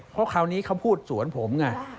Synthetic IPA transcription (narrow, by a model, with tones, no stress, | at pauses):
pʰɔ˦˥kʰa˧˩wniː˦˥kʰa˧˥˩wpʰuː˥˩t̪̚su˩˦ənpʰo˩˦mŋa˧˩